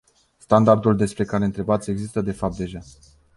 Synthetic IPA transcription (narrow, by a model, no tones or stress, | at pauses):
st̪and̪ard̪uld̪e̞spɾe̞kaɾe̞ɨnt̪ɾe̞bat̪sʲe̞ɡzist̪əd̪e̞fap̚t̪d̪e̞ʒa